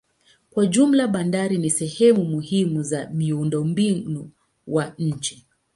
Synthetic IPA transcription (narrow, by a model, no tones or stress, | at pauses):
kwaʄum̩laɓandaɾinisɛhɛmumuhimuzamiundɔmbinu | waɲ̩t͡ʃɛ